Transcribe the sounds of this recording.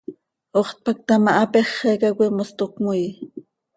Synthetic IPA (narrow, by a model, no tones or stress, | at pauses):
oχt̪̚pak̚t̪amaʔapeχekakʷimost̪okmuj